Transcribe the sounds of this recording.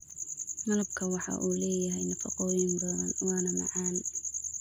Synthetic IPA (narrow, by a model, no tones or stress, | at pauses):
mɐlɐb̚kʰɐwɑħɑ̰ʔuːlɛːjɐɦɛjnɐfɐqɔːjɪmbɐðɐnwɑːnɐmɑ̰ʕɑːn